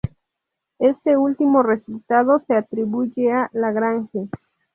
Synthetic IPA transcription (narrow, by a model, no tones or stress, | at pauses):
est̪eult̪imoresult̪að̞oseat̪ɾiβuʝealaɣɾaŋxe